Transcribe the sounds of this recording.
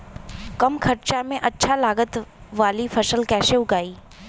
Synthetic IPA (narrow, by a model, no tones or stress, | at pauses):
kɐmkʰɐɾt͡ʃamẽʔɐtːʃʰalaːɡət̪ʋaːlifʰɐʃəlkɛːʃeʊɡaːiː